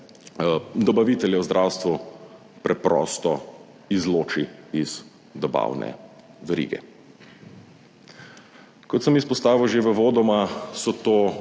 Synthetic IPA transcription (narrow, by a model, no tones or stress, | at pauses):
d̪ɔbaʋit̪ɛljɛwzd̪ɾʔawst̪ʋu | pɾɛpɾɔ̰st̪ɔ | izloːt͡ʃiiz̥ | d̪ɔba̰wnɛ̰ | ʋɛɾḭːɡɛ̰ | kɔt̪səmispɔst̪aːʋiwʒeʋəʋoːd̪ɔmasɔt̪oː